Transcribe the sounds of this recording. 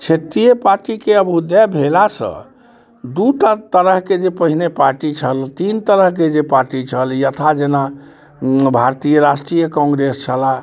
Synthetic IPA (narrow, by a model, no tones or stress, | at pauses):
t͡ʃʰet̪ijəpaɾʈikeəbud̪jabʱelasə̰̃ | d̪uʈat̪əɾəɦked͡ʒepəɦinepaɾʈit͡ʃʰəlt̪int̪əɾəɦk̬ed͡ʒepaɾʈit͡ʃʰəljət̪ʰad͡ʒena | bʱaɾt̪ijəɾaʃʈɾijəkɔ̃ŋɡɾest͡ʃʰəla